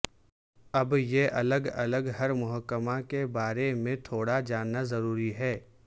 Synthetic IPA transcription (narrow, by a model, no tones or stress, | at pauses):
ɐbjeʔɐləɡɐ̰ləɡɦɐɾmʊɦəkːəmakebaːɾemẽt̪ʰoːɽad͡ʒaːnːazɐɾuːɾiɦɛː